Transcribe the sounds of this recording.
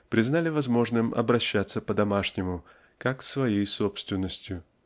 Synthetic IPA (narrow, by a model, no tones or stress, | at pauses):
pɾʲɪznalʲɪvɐzmo̞ʐnɨmɐ̰bɾɐɕːat̪sːəpəd̪ɐmaʂnʲɪmʊ | kaksvɐjejso̞pst̪vʲɪnːəsʲtʲjʊ